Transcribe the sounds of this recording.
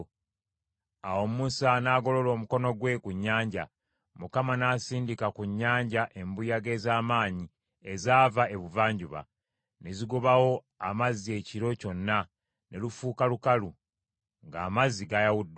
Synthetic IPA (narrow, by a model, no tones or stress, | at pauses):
awo̞mmusanaːɡo̞lo̞lo̞ːmuko̞noɡwe̞kuɲːaːɲɟa | mukamanaːsiːndikakuɲːaːɲɟaʔe̞mbujaɡe̞ːzaːmaːɲi | e̞zaːvae̞βuvaːɲɟuβa̰ | ne̞ziɡoβawo̞ | amazie̞ciɾo̞co̞nːa | ne̞lufuːkalukalu | ŋɡaːmaziɡajawudː